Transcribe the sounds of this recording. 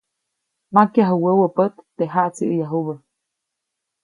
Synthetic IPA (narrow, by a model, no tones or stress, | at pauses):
makjaɦuwəwəpət̪ːeɦaʔt͡siʔəjaɦuβə